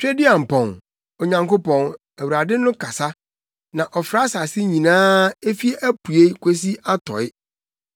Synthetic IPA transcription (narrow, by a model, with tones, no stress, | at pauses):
t͡ɕᶣe˦dɪ˦a˨m̩˨pɔ̃˨n | o˨ɲã˨ŋko˦pɔ̃˨n | æ˨wu˨ɾa˨dɪ˦nʊ̃˦kʰa˨sa˦ | nã˨ʔɔ˨fɾa˦sa˨sɪ˦ɲĩ˨nãː˦e˦fi˦e˦ʔæ˦pu˨e˦kʷʰe˦s̬i˦ʔa˦tʰɔ̰˨ɪ˦